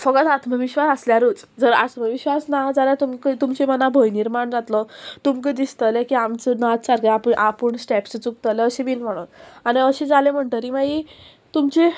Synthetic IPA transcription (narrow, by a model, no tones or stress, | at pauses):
fəɡət̪at̪məʋiɕʋasəsljaɾut͡sd͡zəɾa̰t̪məʋiɕʋasnad͡zaɾjat̪umkət̪umt͡ɕemənabʱəjniɾmaɳd͡zat̪lɔt̪umked̪ist̪əlekiamt͡sənat̪saɾkaapəɳʔapəɳsʈɛpst͡suk̚t̪əleəɕebiːlm̤əɽ̃unaɽ̃iəɕed͡zalem̤əɳʈ̪əɾimaji | t̪umt͡ɕe